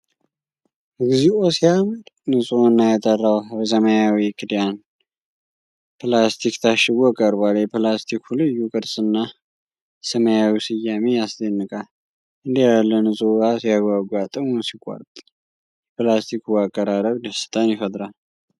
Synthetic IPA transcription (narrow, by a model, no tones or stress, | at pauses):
ɡɨziosiaməd̪nɨsʼonːajat̪ʼərːawbəs̬əmajawikʰɨd̪jan | pɨlast̪ʰikt̪ʰaʃɪɡɔkʼəɾbaljɛplast̪ʰikhulɨjːukʼɨɾsʼɨnːa | səməjawisɨjːamejasd̪ənːɨkʼal | ʔɨnd̪əjalːənɨsʼoasjaɡaɡʷat̪ʼəmunsikʷʼːa̰ɾt̪ʼ | jɛpɨlast̪ʰikuakʼːəɾaɾəβd̪əsɨ̥t̪ʼanjɪfəd̪ɾal